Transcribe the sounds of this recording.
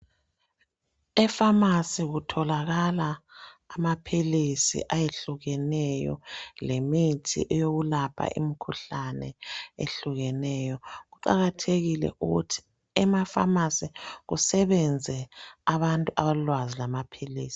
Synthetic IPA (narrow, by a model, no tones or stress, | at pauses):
ɛfamasiɣutʰɔlaɣalaːmapʰilisḭʔajeɬuɣɛnɛjɔ̰lemitʰḭʔɛjoɣulapʰa̰ʔḭmikʰuɬanɛ̰ḛɬuɣɛnɛjɔɣuǃa̰ɣatʰeɣilɛ̰ʔuɣutʰi̥ | ɛmafa̰masiɣusɛβɛnd͡zʱɛaβantʼuʔaβalwazilamapʰiliːsi̥